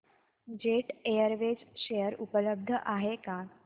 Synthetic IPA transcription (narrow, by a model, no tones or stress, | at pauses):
d͡ʑeʈejəɾʋed͡zɕejəɾupələb̚d̪ʱəʔaɦeka